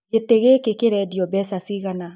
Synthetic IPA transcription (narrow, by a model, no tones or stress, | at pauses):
ɡeteɣekekeɾɛdjɔbɛsasiɣana